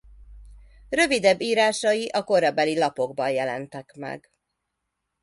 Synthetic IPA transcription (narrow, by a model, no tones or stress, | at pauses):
rø̞vid̪ɛbːiːɾaːʃɒjiʔɒko̞ɾɒbɛlilɒpo̞ɡbɒnjɛlɛ̰nt̪ɛkmɛ̰ɡ